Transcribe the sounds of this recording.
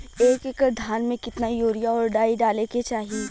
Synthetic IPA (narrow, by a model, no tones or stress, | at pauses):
eːkekəɾd̪ʱaːnmẽkɪt̪najoːɾijaɔːɾɖaːiɖaːleket͡ʃaːɦi